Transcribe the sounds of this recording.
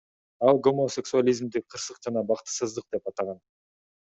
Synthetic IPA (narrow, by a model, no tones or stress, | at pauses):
ɑlˠɡo̞moseksualʲijzmd̪iqʰɯɾsɯqd͡ʒɑnɑbɑqt̪ɯ̥sɯzd̪ɯq̚d̪e̞pɑt̪ɑʁɑn